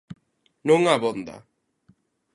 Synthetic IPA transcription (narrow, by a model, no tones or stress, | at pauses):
nuŋaβond̪a̰